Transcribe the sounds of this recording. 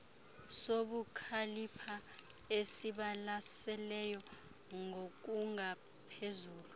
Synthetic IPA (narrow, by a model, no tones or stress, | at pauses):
soɓukʰalipʰaesiɓalasɛlɛjɔ | ŋok̬uŋa | pʰezuːlu